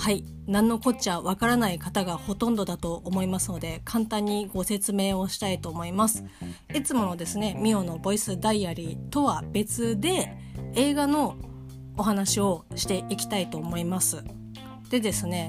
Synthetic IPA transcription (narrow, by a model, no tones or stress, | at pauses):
hai | nãnːo̞ko̞t͡ɕiaβakaɾanaikat̪aɡaho̞t̪õ̞nd̪o̞d̪at̪o̞ʔːmo̞imasɨno̞d̪e̞kʰãnt̪ãɲ̟ːiɡo̞se̞t͡sɨme̞ːo̞ɕi̥t̪ait̪o̞ːmo̞imasɨ̥ | it͡sɨmo̞no̞d̪e̞sɨne̞mʲio̞no̞bo̞isɨd̪aiaɾʲit̪o̞βabe̞t͡sɨd̪e̞ | eːɡano̞ː | ɦanaɕio̞ɕi̥t̪e̞ʔikʲi̥t̪ait̪o̞ːmo̞imasɨ | d̪̥e̞d̪e̞sɨne̞